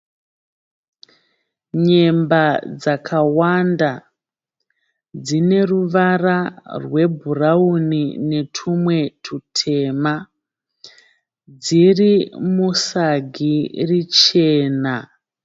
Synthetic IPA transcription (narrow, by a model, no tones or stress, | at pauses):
ɲe̞mbad͡zakʰawanda | d͡zine̞ruʋararwe̞bʱuraunine̞tʰumwe̞tʰutʰe̞ːma | d͡zirimusaɡʱirit͡ʃe̞ːna